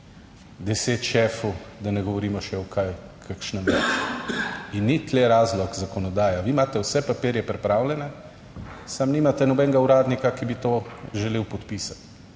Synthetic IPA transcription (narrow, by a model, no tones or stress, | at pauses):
d̪ɛseːt̪ʃɛːfud̪anɛɡɔʋɔɾiːmɔʃɛɔkʰajkʰakʃnɛmɛt͡ʃu̥inːit̪lɛɾaːzlɔkzakɔnɔd̪aːjaʋimaːt̪ɛwsɛpapeːɾjɛpɾɛpɾaːwlʲɛnɛ | samnimat̪ɛnɔbɛŋɡauɾaːd̪nikakibit̪oːʒɛleːwpɔt̪piːsḁt̪